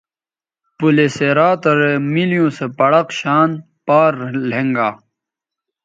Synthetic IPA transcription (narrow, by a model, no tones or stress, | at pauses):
puleseɾaːt̪ɐɾemilijõːsepɐɽɐqɕaːn | paːɾlẽŋɡaː